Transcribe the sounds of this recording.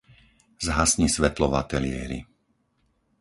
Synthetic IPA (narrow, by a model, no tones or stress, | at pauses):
zɦasɲisʋɛt̪lɔʋat̪ɛlɪɛ̰ɾḭ